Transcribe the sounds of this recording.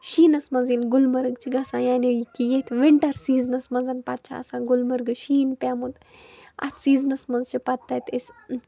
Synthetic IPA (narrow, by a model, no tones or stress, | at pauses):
ʃiːnɐsmɐnzinɡʊlmɐɾɨɡt͡ʃʰiɡɐsãːjaːniikijet̪ʰʋeɳʈɐɾsiːznɐsmɐnzɐnpɐt̪̚t͡ʃʰa̰ɐsãːɡulmɐɾɡɨʃiːnpʲaːmut̪ | ɐ̰t̪ʰsiːznɐsmɐnzt͡ʃʰipɐt̪ːɐt̪es